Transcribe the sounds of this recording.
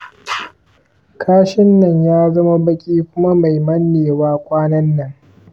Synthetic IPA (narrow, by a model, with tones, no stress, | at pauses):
kʰaː˦ʃɪ˦nːɐ˨ɲjaː˦zɐ˦ma˦bɐ˦kʲʼiː˦kʷʊ˦ma˦ma˨jmɐ˦nːeː˨waː˦kʷʼaː˦nɐ˦nːɐ˨ŋ